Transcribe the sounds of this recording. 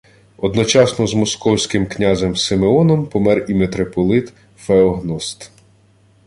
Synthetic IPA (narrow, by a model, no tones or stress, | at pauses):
ɔd̪nɔt͡ʃɑsnɔzmɔskɔwsʲkɪmknʲazemsemeɔnɔmpɔmɛrimet̪ɾepɔlˠɪt̪ | feɔɦnɔst̪